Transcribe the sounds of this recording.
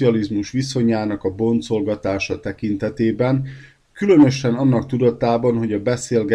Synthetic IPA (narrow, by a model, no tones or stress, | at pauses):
iɒlizmuʃʋiso̞ɲaːnɒkɒbo̞nt̪zo̞lɡɒt̪aːʃɒt̪ɛkint̪ɛt̪eːbɛn | kylø̞nø̞ʃɛnɒnːɒkt̪ud̪ɒt̪aːbɒnɦo̞ɟɒbɛseːlɡɛ